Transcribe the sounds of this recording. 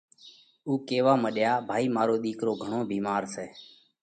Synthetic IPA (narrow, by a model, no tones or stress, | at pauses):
uːkeːʋaːməɗjaːbʱaːiːmaːɾoːɗ̪iːkɾoːɡʱəɳoːbʱiːmaːɾseː